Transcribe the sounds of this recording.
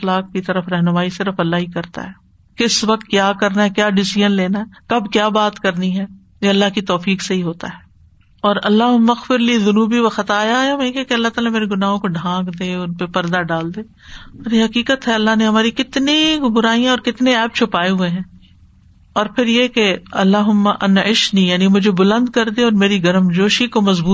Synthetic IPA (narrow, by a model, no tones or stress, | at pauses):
xlaːk̚kit̪ɐɾəfɾɛɦnʊmaːisɪɾəfɐlːaɦikɐɾt̪a̰ɦɛː | kɪsʋɐq̚t̪̚kjaːkɐɾnaɦɛkjaːɖɪsɪʒənleːnaɦɛkɐbkjaːbaːt̪kɐɾniɦɛː | jeɐlːaɦkit̪ɔːfiːkseɦiɦoːt̪a̰ɦɛː | ɔːɾɐ̰lːaɦʊmɐxfɪɾliðʊnuːbiʋɐxət̪aːjajamɛ̃kɛkeɐlːat̪aːlameːɾeɡʊnaːɦõkoɖʱãːkd̪eːʊnpepɐɾd̪aɖaːld̪eː | ɔːɾjeɦɐkiːkət̪ɦɛɐlːaɦneɦɐmaːɾikɪt̪nibʊɾaːijãɔːɾkɪt̪neɛːp̚t͡ʃʰʊpaːeɦʊeɦɛ̃ː | ɔːɾpʰɪɾjekeɐlːaːɦʊmːaʔɐnɪʃnijaːnimʊd͡ʒʱebʊlə̃nd̪̚kɐɾd̪eɔːɾmeːɾiɡɐɾəmd͡ʒoːʃikomɐzbuː